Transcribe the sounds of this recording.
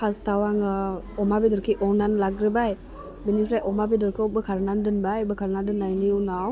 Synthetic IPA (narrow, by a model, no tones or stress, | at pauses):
pʰastawaŋ | ɔmabidɔɾkʰiʔɔwnanlaɡɾɯbaj | binikʰɾajʔɔmabidɔɾkʰɯwbɯkʰaɾnandɯnbajbɯkʰaɾnadɯnːajniɔnaw